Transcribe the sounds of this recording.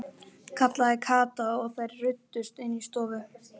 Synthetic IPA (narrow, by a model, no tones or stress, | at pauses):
kʰat̪laɛkʰaːt̪aɔɣθajɾrʏt̪ːʏst̪ɪnːist̪ɔːvʏ